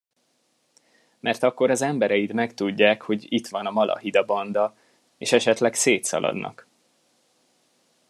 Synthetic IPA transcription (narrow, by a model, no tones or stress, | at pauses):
mʔɛrt̪ɒkːo̞ɾɒzɛmbɛɾɛjid̪mɛkt̪uɟːaːkho̞ɟit̪ʋɒnɒmɒlʔɒ̰ɦid̪ɒbɒnd̪ɒ | ḛːʃɛʃɛt̪lɛkseːt̪sɒ̰lʔɒ̰d̪nʔɒ̰k